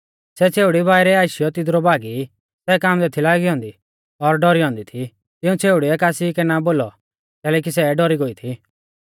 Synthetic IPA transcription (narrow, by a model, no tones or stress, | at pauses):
sɛt͡sʰeːʊɽibaːiɾɛaːʃɪjɔt̪ɪd̪ɾɔbaːɡi | sɛːkaːmd̪ɛt̪ʰilaːɡiɔ̃ːnd̪i | ɔɾɖɔɾiɔ̃ːnd̪it̪ʰi | t̪ɪũt͡sʰeːʊɽiɛkaːsikɛnaboːlɔ | kɛːlɛk̬isɛɖɔɾiɡoit̪ʰi